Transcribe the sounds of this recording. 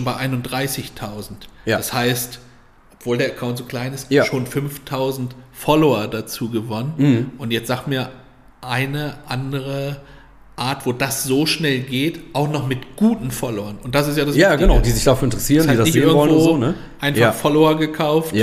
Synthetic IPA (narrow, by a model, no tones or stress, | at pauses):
nbaɪʔaɪnʊnt̚d̥ʁaɪsɪçtʰaʊzn̩td̥ashaɪst | ʔɔpv̥oːldeːɐɐkʰaʊntz̥oːkl̥aɪnɪstjaʃoːnfʏmftʰaʊzn̩tfɔloɐdat͡suːɡəvɔnənʔʊntjɛt͡stz̥aːɡtmiːɐ | ʔaɪnəʔandəʁə | ʔaːɐtv̥oːd̥asz̥oːʃnɛlɡeːtʔaʊxnɔχmɪtɡ̥uːtn̩fɔloɐnʔʊnt̚d̥as̬ɪstjaːdasaɡənaʊdiːzɪçd̥afyɐɪntəʁəsiːʁndiːdasnɪçːɪɐŋvɔləv̩voːnə | ʔaɪnfaχfɔloɐɡəkʰaʊft